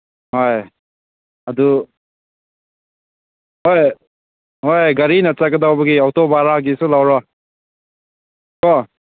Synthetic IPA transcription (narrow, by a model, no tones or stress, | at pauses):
hoj | ɐdu | hoj | hojɡɐɾinat͡ʃaɡɐdawbɐɡiɔtɔbaɾaɡisulawɾɔ | kɔ